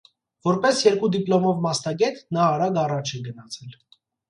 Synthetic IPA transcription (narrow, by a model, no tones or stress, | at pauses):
vɔɾpɛsjɛɾkud̪iplɔmɔvmɑsnɑɡɛt̪nɑːɾɑɡɑrɑt͡ʃʰɛɡənɑt͡sʰɛl